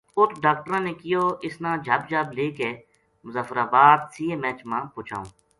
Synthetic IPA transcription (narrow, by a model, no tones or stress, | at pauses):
ʊt̪ɖaːk̚ʈəɾãːneːkɪjoːɪsnãːd͡ʒʱəbd͡ʒʱəbleːkeː | mʊzaːfəɾaːbaːd̪siːeːmɛːt͡ʃmãːpʊːt͡ʃʰa̰ːṵ̃ː